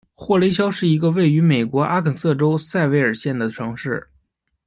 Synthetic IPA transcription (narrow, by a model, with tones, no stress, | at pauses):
xwɔ˥˩le˧˥ɪɕ̬jɑ˥ʊʂɻ̩˥˩i˧˥ɡə˧we˥˩ɪy˧˥me˨˩ɪkwɔ˧˥ʔa˥kʰə˨˩nsɤ˥˩ʈ͡ʂo˥ʊsa˥˩ɪwe˧˥ɪə˞˨˩ɕjɛ˥˩nd̪ə˩ʈ͡ʂʰɤ˧˥ŋʂɻ̩˥˩